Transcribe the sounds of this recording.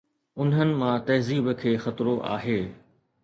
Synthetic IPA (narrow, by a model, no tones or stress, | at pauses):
ʊnɦənɪ̆mãt̪ɐɦziːbkʰeːxɐt̪ɾoʔa̰ːɦeː